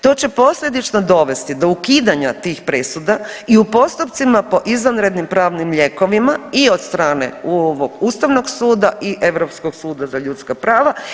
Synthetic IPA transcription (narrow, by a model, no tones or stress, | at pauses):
t̪o̞ːt͡ɕe̞po̞sʎʲe̞d̪it͡ʃnod̪o̞ʋe̞st̪id̪o̞ukiːd̪aɲat̪iːxpɾesud̪aiupo̞st̪upt̪simapo̞ʔizʋanɾe̞d̪nimpɾaːʋnimʎe̞ko̞ʋimaio̞d̪st̪ɾaːnḛoʋoɡust̪aʋno̞ɡsuːd̪aʔiʔe̞ʋɾo̞pskoɡsuːd̪azaʎut̪skapɾaːʋa